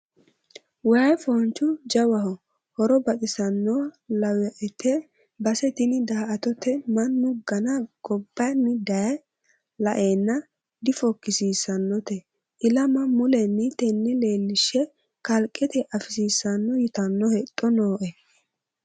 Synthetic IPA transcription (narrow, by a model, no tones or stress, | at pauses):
wɐjfɔnt͡ʃːʊd͡ʒɐwɐhɔ | hɔɾɔbɐtʼɪsɐnːɔlɐwɛʔɛt̪ɛ | bɐsɛt̪ɪnɪd̪aːʔɐt̪ɔt̪ɛmɐnːʊɡɐnɐɡ̥ɔbːɐjnːɪd̪ɐjɐ | lɐʔeːnːɐ | d̪ɪfɔkːɪsiːsɐnːɔt̪ɛ | ʔɪlɐmɐmʊlɛnːɪt̪ɛnːɪle̞ːlːɪʃːɛ | kɐlkʼːɛt̪ɪʔɐfɪsiːsɐnːɔjɪt̪ɐnːɔhɛt̪ʼːɔnoːʔɛ